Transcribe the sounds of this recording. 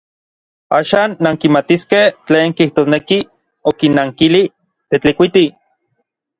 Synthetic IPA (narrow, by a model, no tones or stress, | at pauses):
aːʃaːnːaŋkimat̪iskeht͡ɬeːŋkiht̪oːsneki | okinːaŋkili | t̪et͡ɬikʷit̪i